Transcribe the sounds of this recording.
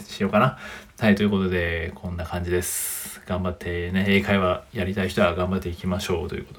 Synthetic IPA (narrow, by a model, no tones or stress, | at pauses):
ɕijo̞ːkana | hait̪oiɯ̟ko̞t̪o̞d̪e̞kʰõ̞nːakãɲ̟d͡ʑid̪e̞sɨ̥ɡ̥ãmbat̪ʰːe̞neeːkaiβajaɾʲit̪aiçi̥t̪o̞aɡãmbat̪ːe̞ikʲimaɕo̞ːt̪o̞jiɯ̟̰kot̪o